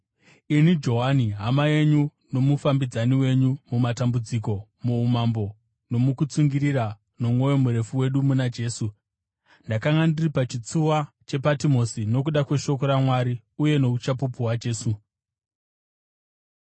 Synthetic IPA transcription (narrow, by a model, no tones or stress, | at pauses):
inid͡ʒo̞ɦaniɦamaje̞ɲu | no̞mufambid͡zaniwe̞ɲumumatambud͡ziko̞muumambo̞ | no̞mukut͡suŋɡiɾiɾa | no̞mwo̞jo̞muɾe̞fuwe̞ɗumunad͡ʒe̞ːsu | ndakaŋɡandiripat͡ʃit͡suwa | t͡ʃe̞patimo̞sino̞kuɗakwe̞ʃo̞ko̞ɾamwaɾi | uje̞no̞ut͡ʃapupuwad͡ʒe̞ːsu